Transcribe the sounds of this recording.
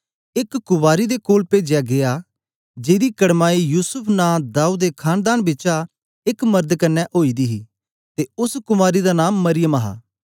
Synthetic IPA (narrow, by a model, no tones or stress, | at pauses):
ɪkːʊbaːɾid̪ekoːlpeːd͡ʒjaɡɪjaː | d͡ʒeːd̪iːkəɽmaːijuːsʊpʰnãːd̪aːuːd̪eːkʰaːnd̪aːnbɪːt͡ʃa | ɪkmɐɾd̪kɐnːɛʔoːiːd̪iɦiː | t̪eʊskʊmaːɾid̪anãːmːɐɾɪjəmɐɦa̰ː